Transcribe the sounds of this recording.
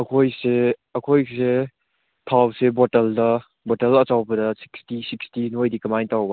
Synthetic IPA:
ɐkʰojseɐkʰojse | tʰawsebotɐldɐ | botɐlɐt͡ʃawbɐdɐsi̥kstisikstinojdikɐmajntawbɐ

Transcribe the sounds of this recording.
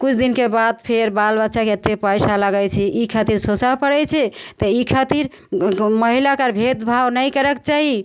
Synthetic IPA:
kut͡ʃʰd̪inkebad̪̚pʰeɾbalbətːʃakeət̪ːepəjsaləɡɛt͡ʃʰɛʔikʰat̪iɾsot͡ʃapəɽɛt͡ʃʰɛt̪əikʰat̪iɾ | məɦilakəɾbʱed̪bʱawnəjkəɾɛkt͡ʃaɦi

